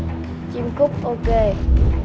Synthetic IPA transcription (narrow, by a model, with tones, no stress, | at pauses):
t͡ɕi˧mkʊ˦˥p̚ʔo˧ke˧˩